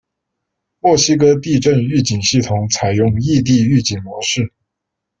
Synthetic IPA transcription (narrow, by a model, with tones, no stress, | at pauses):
mwɔ˥˩ɕi˥k̬ɤ˥t̪i˥˧ʈ͡ʂə˥˧ny˥˩t͡ɕi˨˩ŋɕi˥˩t̪ʰʊ˨˧˥ŋt͡sʰa˨˩ɪjʊ˥˧ŋi˥˧t̪̬i˥˧y˥˩t͡ɕi˨˩nmwɔ˧˥ʂɻ̩˥˩